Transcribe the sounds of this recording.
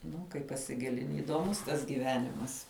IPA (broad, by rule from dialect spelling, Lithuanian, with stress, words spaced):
ˈnʊ kɐɪ pɐsʲɪˈɡʲɪlʲɪnʲɪ iːdoːˈmʊs tɐs ɡʲiːˈʋʲæːnʲɪmɐs